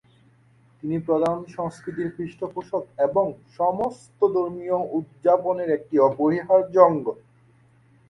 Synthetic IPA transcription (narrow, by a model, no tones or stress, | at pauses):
t̪inipɾod̪ʱanʃɔŋskɾit̪iɾkɾiʃʈopoʃod̪eboŋʃɔmost̪od̪oɾmijoud̪̚d͡ʑaponeɾek̚ʈiɔboɦiɦaɾd͡ʑɔŋɡo